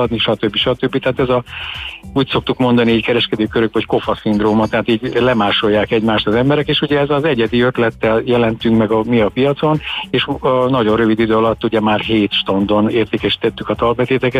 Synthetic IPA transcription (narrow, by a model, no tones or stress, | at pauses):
ɒd̪niʃɒt̪øbːiʃɒt̪øbːit̪ɛɦaːt̪ɛzɒ | uːcso̞k̚t̪ukmo̞nd̪ɒniiːckɛɾɛʃkɛd̪øːkøɾøɡ̚bɛocko̞fɒsind̪roːmɔt̪ːɛɦaːt̪iːɟlɛmaːʃo̞jːaːkɛɟmaːʃt̪ɒzɛmbɛɾɛkeːʃuɟɛɛzɒzɛɟɛd̪iøt̪lɛt̪ːɛljɛlɛnt̪yŋkmɛɡɒmiɒpijɒt̪so̞neːʃnɒɟo̞røvid̪id̪øːɒlɒt̪ːuɟɛmaːrɦeːt̪ʃt̪ond̪oneːrt̪eːkɛʃi̥t̪ɛt̪ːykɒt̪ɒlbɛt̪eːt̪ɛkɛ